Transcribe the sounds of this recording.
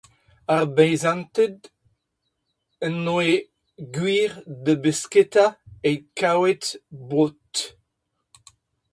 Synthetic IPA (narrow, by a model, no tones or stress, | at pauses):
aʁbɛjzãnt̪əd̪ | ənːoe | ɡwiːʁdəbesket̪aekʰawet̪bot̪